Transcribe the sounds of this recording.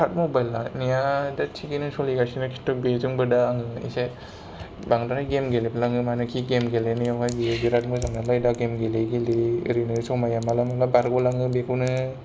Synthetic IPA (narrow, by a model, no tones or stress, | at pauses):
kʰat̚mobajlːanijadat͡ʃʰiɡinɯsɔliɡasinɯkʰi̥tːɯbezuŋbɯdaːŋɯḭse | baŋdaɾajɡemɡeleblaŋɯmanɯkʰiɡemɡelenɯjawhajbiɡiɾat̚muzaŋnalajdaɡemɡelejɡiliɯɾinɯsɔmajamalamalabaɾɡolaŋɯbekʰɯwnɯ